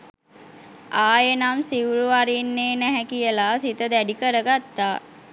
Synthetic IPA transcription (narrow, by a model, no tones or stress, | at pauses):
aːjenamsiwɾuaɾinːeːnæɦɛkijəlasit̪əd̪æɖikəɾəɡat̪ːaː